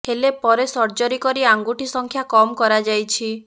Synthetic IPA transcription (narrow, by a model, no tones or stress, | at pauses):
ɦelepɔɾesɔɾd͡ʒɔɾikɔɾiaŋɡuʈisɔŋkʰjakɔmɔkɔɾad͡ʒajt͡ʃʰi